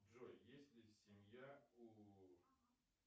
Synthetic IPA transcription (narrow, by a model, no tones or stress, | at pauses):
ʐojjesʲtʲlʲɪsʲɪmʲjau